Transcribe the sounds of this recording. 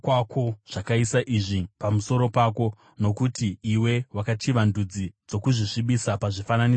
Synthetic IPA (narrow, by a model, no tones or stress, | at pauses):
kwakʰo̞ʐ̥akaisaʔiʐipamuso̞ɾo̞pako̞ | no̞kutiːwe̞wakatiʋandud͡zid͡zo̞kuʐiʂiɓisapaʐifanani